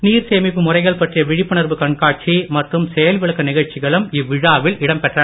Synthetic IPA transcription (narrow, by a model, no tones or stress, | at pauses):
niːɾseːmɪpːɯmʊrɐɪɣɐɭpɐʈrɪjɐʋɪɻɪpːɐnɐɾbɯkɐɳkaːʈ̚t͡ʃimɐʈrɯmsɛjɐlʋɪɭɯkːɐnɪɣɐɻt͡ʃɪɣɐɭɯmɪʋːɪɻaːʋɪlɪɽɐmpɛʈrɐ